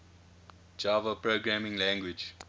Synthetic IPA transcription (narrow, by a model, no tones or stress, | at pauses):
d͡ʒavəpɹoɡɹæmĩŋlæ̃ŋɡwid͡ʒ